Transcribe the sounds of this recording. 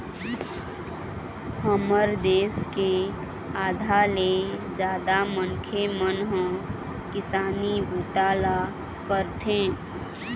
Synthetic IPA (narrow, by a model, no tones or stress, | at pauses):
həməɾd̪eːske | aːd̪ʱaled͡ʒaːd̪amənkʰemənɦə̃ | kɪsaːnibuːt̪aːla | kəɾt̪ʰẽː